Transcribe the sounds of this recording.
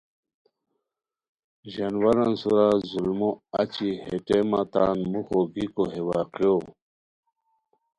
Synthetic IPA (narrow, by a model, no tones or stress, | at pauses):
ʑanwaɾansuɾazulmoɐt͡ɕiheʈemat̪anmuxoɡikoɦewaːqjo